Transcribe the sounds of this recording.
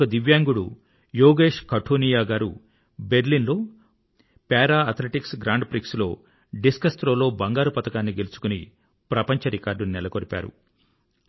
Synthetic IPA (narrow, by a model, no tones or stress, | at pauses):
kɐd̪iʋjaːŋɡuɽu | joːɡe̞ːʂkɐʈʰuːnijaːɡaːɾu | be̞ɾlinlo̞ː | pɛːɾaːɐt̪ʰleʈiksɡɾaːɳɖpɾikslo̞ː | ɖiskɐst̪ɾoːlo̞ːbɐŋɡaːɾupɐt̪ɐkaːnːiɡelusu̥kuni | pɾɐpɐɲt͡ʃɐɾikaːɾɖunɛlɐkoɾipa̰ːɾṵ